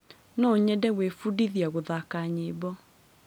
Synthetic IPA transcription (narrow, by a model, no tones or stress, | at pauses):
nɔɲɛdɛɣwefudiðjaɣoðakaɲebɔ